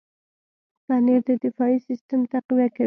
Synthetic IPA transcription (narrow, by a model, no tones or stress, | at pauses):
paneɾd̪əd̪ɪfɑisɪst̪əmt̪aqiwaka